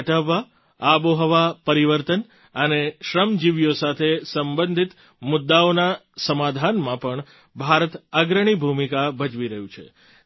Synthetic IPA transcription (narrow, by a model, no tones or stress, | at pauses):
ʈəʋːa | aboɦəʋapəɾiʋəɾt̪ən | əneʃɾəmd͡ʒiʋjosat̪ʰesəmbənd̪ʱit̪ | mʊd̪ːaona | səmad̪ʱanmãpəɳ | bʱaɾət̪aɡɾəɳ̃ibʱumikabəd͡ʒʋiɾəɦũt͡ʃʰḛ